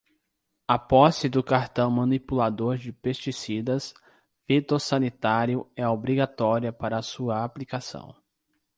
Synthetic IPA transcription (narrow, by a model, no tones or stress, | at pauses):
ɐpɔsɪd̪ʊkaɾt̪ɐ̃w̃mɐ̃nipulad̪oɾd͡ʒɪpest͡ʃisid̪ɐs | fit̪osɐ̃nit̪aɾjʊɛobɾiɡat̪ɔɾiɐpaɾɐːsuɐaplikasɐ̰̃w̃